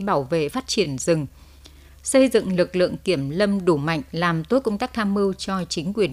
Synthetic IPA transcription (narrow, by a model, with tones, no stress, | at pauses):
ɓaː˧˩wvḛ˧˨faː˦˥t̚t͡ɕi˧˩ənzɨ˨˩ŋ | sə˧jzɨ̰˧˨ŋlɨ˨˩k̚lɨ̰˧˨əŋki˧˩əmlə˧mɗu˧˩ma̰˧˨jŋ̟laː˨˩mt̪o˨˦jkə˧wŋ͡mt̪a˦˥k̚t̪ʰaː˧mːɨ˧wt͡ɕɔ˧t͡ɕï˨˦ŋ̟kwi˨˩ən